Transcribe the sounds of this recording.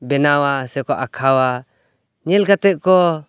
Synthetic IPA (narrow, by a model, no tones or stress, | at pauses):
bɛnawasɛkɔʔakʰawa | ɲɛlɡat̪ɛʔkɔ